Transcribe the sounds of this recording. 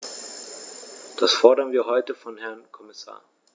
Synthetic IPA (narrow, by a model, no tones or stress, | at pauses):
d̥asfɔɐdɐnviːɐɦɔʏtəfɔnhɛɐnkʰɔmɪsa̰ːɐ